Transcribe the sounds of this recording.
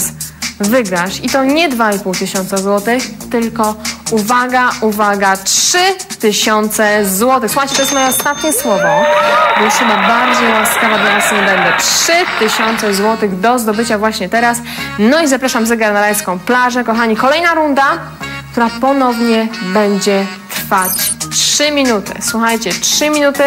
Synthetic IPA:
svɘɡɾaɕit̪ɔɲɛd̪vaipuwt̪ɘɕɔnt̪sazwɔt̪ɘxt̪ɘlkɔuvaɡaʔuvaɡatʂɘt̪ɘɕɔnt̪sɛzwɔt̪ɘxsu̥xajt͡ɕɛt̪ɔjɛst̪mɔjɛɔst̪at̪ɲɛswɔvɔbɔjɛst̪xɘbabaɾd͡ʑejwaskavad̪lanasɛbɛnd̪ɛtʂɘt̪ɘɕɔnt̪sɛzwɔt̪ɘɣd̪ɔzd̪ɔbɘt͡ɕavwaɕɲɛt̪ɛɾasnɔizapɾaʂamzɛɡaɾnaɾajskɔ̃w̃plaʐɛkɔxaɲikɔlɛjnaɾund̪a | kt̪uɾapɔnɔvɲɛbɛɲd͡ʑɛ | t̪ɾfat͡ɕtʂɘmʲinut̪ɘ̰swuxajt͡ɕɛtʂɘmʲinut̪ɘ

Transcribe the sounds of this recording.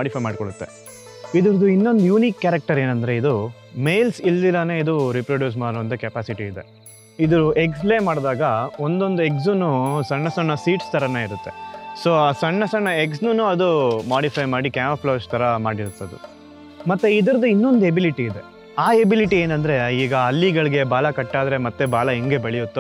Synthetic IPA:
aːɽipʰɐjmaːɖkoɭut̪ːe̞ | id̪ɐɾɐd̪uinːo̞nd̪ujuːniːkːaːɾɐk̚ʈɐɾeːnɐnd̪ɐɾe̞id̪u | mejlsilːilːɐneːid̪uɾipɾoɖjuːs̬maːɽuʋɐnt̪ɐkɛpaːsiʈiːd̪e | id̪ɐɾuʔe̞ks̬leːmaːɽd̪aːɡɐo̞nd̪o̞nd̪ue̞ks̬unːusɐɳːɐsɐɳːɐsiːʈst̪ʰɐɾɐneːiɾut̪ːe̞̰soːaːsɐɳːɐsɐɳːɐeks̬nunuɐd̪umaːɽipʰɐjmaːɽikjaːmɐpʰlɐːst̪ʰɐɾɐmaːɽiɾut̪ːɐd̪ṵ | mɐt̪ːeid̪ɐɾɐd̪uinːo̞nd̪uebiliʈiːd̪e̞ | aːebiliʈieːnɐnd̪ɐɾe̞iːɡɐɐlːiɡɐɭiɡe̞baːlɐkɐʈːaːd̪ɾe̞mɐt̪ːebaːɭɐɦiŋɡebeɭijut̪ːu

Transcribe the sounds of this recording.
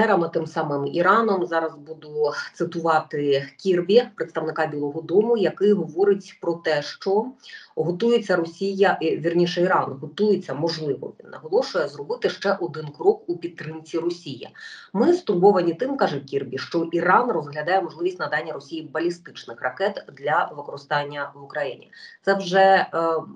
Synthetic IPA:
ɛɾɐmɐt̪ɪmsɑmɪmḭɾɑnɔmzɑɾɐzbud̪ʊt̪sɨt̪ʊʋɑt̪ɪkʲirbʲipɾɪt̪st̪ɐʋnɪkɑbʲilˠɔɦɔd̪ɔmʊjɐkɪjɦɔʋɔɾɪtʲpɾɔt̪ɛʃt͡ʃɔɦɔt̪ujet͡sʲːɐɾɔsʲijɐʔʋʲirnʲiʃɛiɾɑnɦɔt̪ujet͡sʲːɐmɔʒlˠɪʋɔ̰ʋʲḭnːɐ̰ɦɔlˠɔʃʊjɛzrɔbɪt̪ɪʃt͡ʃɛʔɔd̪ɪnkɾɔkupʲit̪̚t̪ːɾɪmt͡sʲirɔsʲijḭmɪst̪ʊrbɔʋɐnʲit̪ɪmkɑʒɛkʲirbʲiʃt͡ʃɔʔiɾɑnrɔzɦlʲɐd̪ɑjɛmɔʒlˠɪʋʲisʲtʲnɐd̪ɑnʲːɐɾɔsʲijibɐlʲist̪ɪt͡ʃnɪxrɐkɛt̪d̪lʲɐʋɪkɔɾɪst̪ɑnʲːɐʋʊkɾɐjḭnʲḭt̪sɛwʒɛ

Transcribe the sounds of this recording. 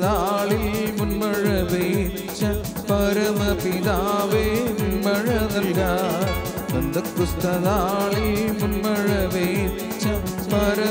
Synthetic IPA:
ðaːɭimunbɐɻɐʋe | t͡ʃːɐ | pɐɾɐmɐpiðaːʋeːmunbɐɻɐðɐlɡaː | d̪ɐnd̪ɐkːust̪ɐðaːɭimunbɐɻɐʋe | t͡ʃːɐ | pɐɾɐ

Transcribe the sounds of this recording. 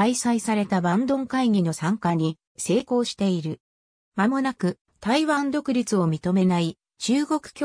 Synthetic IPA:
aisaisaɾe̞t̪abãnd̪õ̞ŋkaiɲ̟ʲino̞sãŋkaɲ̟i | se̞ːko̞ːɕi̥t̪e̞iɾɯ̟ | mamo̞nakɯ̟ | t̪aiβãnd̪o̞kɯ̟ɾʲit͡sɨo̞mʲit̪o̞me̞nai | t͡ɕɨːɡo̞kɯ̟̥kʲ

